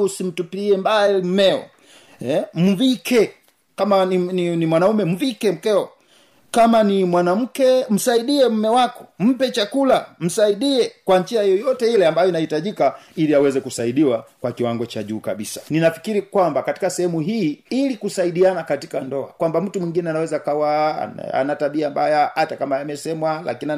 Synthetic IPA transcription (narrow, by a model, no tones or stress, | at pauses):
usim̩tupiɛmbaɛim̩mɛɔ̰ | ɛm̩vikʰɛ | kamaninimwanaumɛm̩vikɛm̩kɛɔ | kamanimwanam̩kɛm̩saiɗiɛm̩mɛwakɔ̥m̩pɛt͡ʃakulam̩saiɗiɛkwaɲt͡ʃiajjɔjɔtɛilɛambajɔinahitaʄikailiawɛzɛkusaiɗiwakwakiwaŋɡɔt͡ʃaʄuːkaɓisḁninafi̥kiɾikwambakati̥kasɛhɛmuɦiːilikusaiɗianakati̥kandɔa̰kwambam̩tumwiŋɡinɛanawɛzakawa̰a̰nataɓiambajahatakamajamɛsɛmwalʔa̰kinia